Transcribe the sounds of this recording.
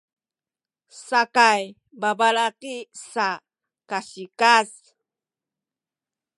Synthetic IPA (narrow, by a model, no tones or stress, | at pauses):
sakaj | babalaqisa | kaɕikas